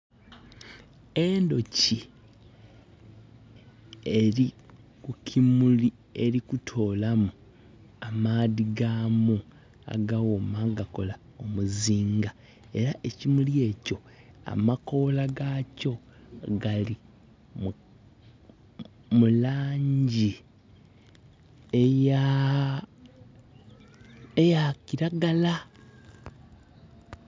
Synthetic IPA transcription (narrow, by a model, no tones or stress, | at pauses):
endo̞ci | e̞ɾi | kukʰimuli | e̞ɾikutʰo̞ːlamu | amaːðiɡaːmu | a̰ɡawomaɡako̞la | o̞muziːŋɡa | e̞ɾaʔecimulje̞ːco̞a̰mako̞laɡaco̞ | ɡali | m | mulaːɲɟi | eja | ejakiɾaɡala